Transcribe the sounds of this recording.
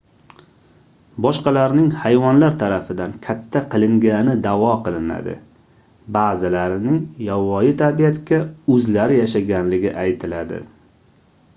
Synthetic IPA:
bɒʃqɑlaɾnɪŋhajvɒnlaɾt̪ʰaɾafɪd̪ankʲʰat̪ʰːaqʰɨlˠɪŋɡʲanɪd̪avɒqʰɨlˠɪna̰d̪ɪ̰ | baːzɪlaɾɪnɪŋjawɒjɪt̪ʰabijat̪kʲaɵzlaɾɪjaʃaɡʲanlɪɡʲɪ̰ʔajt̪ʰɪlad̪ɪ̰

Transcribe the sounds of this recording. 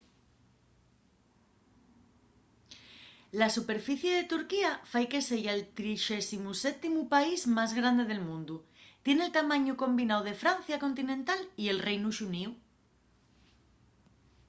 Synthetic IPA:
lasupe̞ɾfiθje̞ð̞e̞t̪uɾkiafajke̞se̞ʝaelt̪ɾiʃesimuset̪imupaizmazɣɾand̪e̞ðe̞lmũnd̪ut̪je̞nelt̪amãɲuko̞mbinawð̞e̞fɾan̟θjako̞nt̪inẽ̞nt̪alie̞lrejnuʃuniw

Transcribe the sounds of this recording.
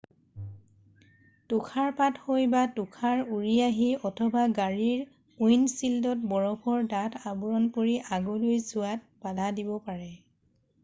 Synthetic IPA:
tʊkʰaɹpathojbatʊkʰaɹuɹiaɦiɔtʰɔbaɡaɹiɹ | ujnsildɔtbɔɹɔpʰɔɹdatʰabuɹɔnpoɹiʔaɡolojzʊwat̚b̥adʱadibɔpaɹɛ

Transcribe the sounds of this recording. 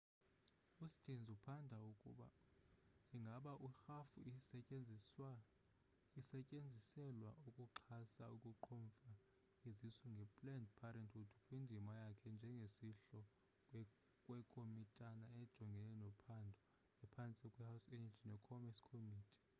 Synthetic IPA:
ustʼind͡zʱupʰandʱaukʼṵɓa̰ | iŋɡʱaɓaʔuxafu | isɛcʼend͡zʱisɛlwa̰ukʼuǃʰasaukʼuǃʰɔɱfa | izisuŋɡʱɛpʼlɛndpʰaɾɛntʰutʰukʼwindʱimajakʰɛnd͡ʒʱɛŋɡʱesiɬɔ | kʼwɛkʼomitʼanaɛd̥ʒ̥ʱɔŋɡʱɛlɛnɔpʰandʱɔ | ɛpʰant͡sʼikʼwɛhawsɛnad͡ʒʱinɛkʰɔmɛskʰomiːtʰi̥

